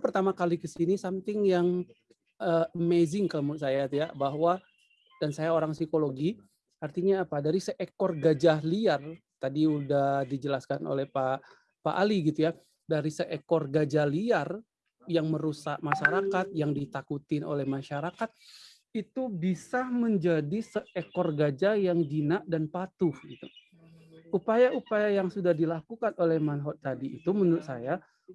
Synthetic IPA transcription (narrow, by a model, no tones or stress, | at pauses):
pərt̪amakalikəsinisamt̪ɪŋjaŋ | əəmezɪŋkələmusajat̪jabaɦwa | d̥ansajaoɾaŋsikoloɡi | art̪iɲaːpadaɾisəʔekɔrɡad͡ʒahliar | t̪adiudahdid͡ʒəlaskano̰lɛhpa | pa̰ʔaliɡit̪uja | daɾisəʔekɔrɡad͡ʒaliar | jaŋməɾusaʔ̚maʃaɾakat̪̚jaŋdit̪akut̪ɪno̰lɛhmaʃaɾakat̪̚ | it̪ubisaməɲd͡ʒadisəekɔrɡad͡ʒajaŋdinaʔdanpat̪uhɡit̪ṵ | upajaupajajaŋsudahdilakukanolɛhmanɦɔt̪̚t̪adḭːt̪uməndʊʔsaja